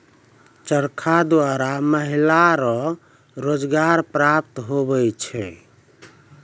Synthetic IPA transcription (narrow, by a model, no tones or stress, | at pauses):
t͡ʃəɾkʰad̪waɾaməɦilaɾɔ̃ | ɾod͡ʒɡaɾpɾap̚t̪ɦobɛjt͡ʃʰɛ̰